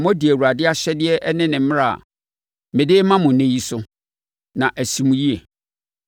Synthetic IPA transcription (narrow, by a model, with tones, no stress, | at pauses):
mɔ̃˦di˨æ˨wu˨ɾa˨dɪ˦a˦ɕɛ˦dɪ˦ɛ˦ʔɛ˦nɪ̃˦nɪ̃˨m̩˦m˦ɾa˦˨a̰˨ | mɪ̃˨dɪ˦mã˦mʊ̃˨nẽ˦ji˦sʊ˦ | nã˨ʔæ˨si˨mũ˨ji˦e˨